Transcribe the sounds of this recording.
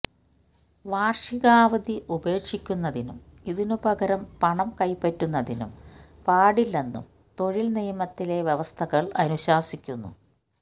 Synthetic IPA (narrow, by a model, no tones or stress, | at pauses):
ʋaːrʂiɣaːʋɐd̪iʔube̞ːkʂikʲːunːɐðinumiðinubɐɣɐɾɐmpɐɳɐmkɐjpːɐtːunːɐðinṵm | paːɽilːe̞nːṵm | t̪o̞ɻilnijɐmɐt̪ːile̞ʋjeʋɐst̪ʰɐɣɐɭɐnuɕaːsikʲːunːṵ